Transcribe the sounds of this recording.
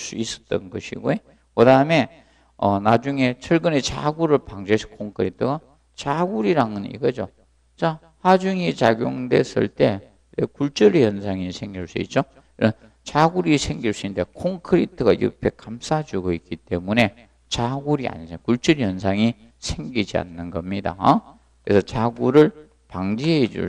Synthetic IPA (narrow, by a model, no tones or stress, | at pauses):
s͈uis͈ʌ̥t̚t͈ʌ̰nɡʌɕʰiɡoe | kɯdaɯme̞ | ʌnad͡ʑuŋe̞t͡ɕʰʌɭɡɯnet͡ɕa̰ɡuɾɯɭpaŋd͡ʑeɕʰi̥kʰoŋkʰɯɾitʰɯɡa | t͡ɕaɡuɾiɾaŋɯnḭɡʌd͡ʑo | t͡ɕa | had͡ʑuŋit͡ɕaɡjoŋde̞̰sɯ̰ɭt͈e̞ | ɾekuɭt͡ɕ͈ʌɾijʌnsʰaŋisʰe̞ŋɡiɭs͈uḭt̚t͡ɕ͈o | iʌn | t͡ɕaɡuɾisʰe̞ŋɡiɭs͈uinde̞kʰoŋkʰɯɾitʰɯɡajɯ̰pʰe̞kamsʰad͡ʑuɡoik͈it͈ːe̞mune̞ | t͡ɕaɡuɾia̰ɲakuɭt͡ɕʌɾijʌnsʰaŋi | sʰeŋɡid͡ʑia̰nːɯnɡʌmɲida̰kkɯɾesʰʌt͡ɕaɡuɾɯɭ | paŋd͡ʑiɦed͡ʑṵ